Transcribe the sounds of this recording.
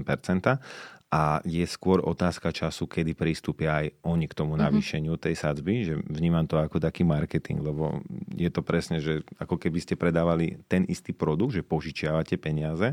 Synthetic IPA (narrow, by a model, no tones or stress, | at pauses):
mpɛɾt͡sɛnt̪aʔajɛskʊɔɾʔɔ̰t̪aːskat͡ʃasukɛd̪ipɾist̪uːpɪaːjʔɔɲikt̪ɔmunaʋiːʃɛɲɪut̪ɛjsad͡zbiʒɛvɲiːmamt̪ɔakɔt̪akiːmaɾkɛt̪ḭŋɡlɛbɔ̰jɛt̪ɔpɾɛsɲɛʒɛakɔkɛbiscɛpɾɛd̪aːʋalit̪ɛnʔḭst̪iːpɾɔd̪uɡ̚d̪ʒɛpɔʒit͡ʃɪaʋacɛpɛɲɪazɛ